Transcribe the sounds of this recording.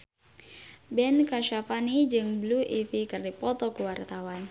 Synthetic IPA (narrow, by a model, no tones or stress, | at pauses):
bɛnkaʃafanid͡ʒɨŋbluʔifikɨrdipɔt̪ɔkuwart̪awan